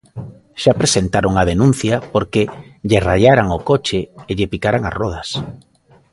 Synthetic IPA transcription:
ʃapɾesent̪aɾoŋað̞enũn̟θjapoɾkɪʎeraʎaɾaŋokot͡ʃɪːʎɪpikaɾaŋa̰rɔð̞as

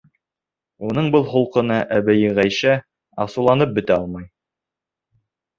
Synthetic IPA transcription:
unɤɴbɤlˠχulˠqɤ̆nɑʔæβæjɘʁæjʃæ | ɑsulˠɑnɤp̚bɵ̆t̪æɑlˠmɑj

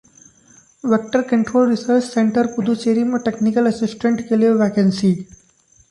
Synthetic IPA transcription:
ʋek̚ʈəɾkə̃ɳʈɾoːlɾisəɾt͡ʃsẽɳʈəɾpud̪ʱut͡ʃeɾiməʈeknikəlɐsɪsʈẽɳʈkelieʋekẽnsi

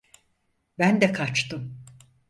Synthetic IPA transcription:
bænd̪ɛkʰat͡ʃt̪ʰɯm

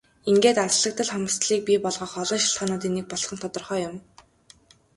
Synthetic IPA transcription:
iŋɡeːt̪aɮə̆k̚t̪ə̆ɮχɔmə̆st̪ɮiːk̚pʲipɔɮʁɔːχɔɮɞ̆ːʃɪɬt̪χaːnʊːt̪̬iːnek̚pɔɮχɞ̆nt̪ʰɔt̪ɞ̆rχœːjʊm

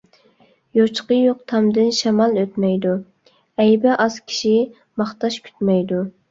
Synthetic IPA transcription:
jot͡ʃqəjoqt̪ʰɑmd̪ɨnʃɑmɑlˠøt̪mɛjd̪u | ɛjbɛʔɑz̥kʲʰi̥ʃi | mɑχt̪ɑʃkʲʰy̥t̪mɛjd̪u

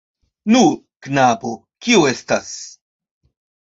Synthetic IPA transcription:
nu | knabo | kiue̞stas

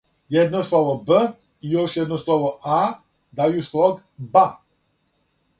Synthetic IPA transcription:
jɛd̪nɔslɔʋɔbə | ijoʃjɛd̪nɔslɔʋɔʔa | d̪ajuslɔɡ | ba

